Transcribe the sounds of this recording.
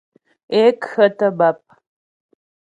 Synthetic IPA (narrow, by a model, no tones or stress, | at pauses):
eːkxɐtʰʼɐbap̚ʼ